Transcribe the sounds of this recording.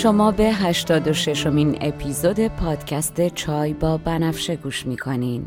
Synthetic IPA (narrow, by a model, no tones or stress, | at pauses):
ʃo̞mɒːbe̞ɦæʃt̪ɒːd̪o̞ʃe̞ʃo̞minḛpʰiːzod̪e̞pʰɒːd̪̥cʰæst̪e̞t͡ʃʰɒːjbɒːbænæfʃe̞ɡuːʃmiːkʰo̞nin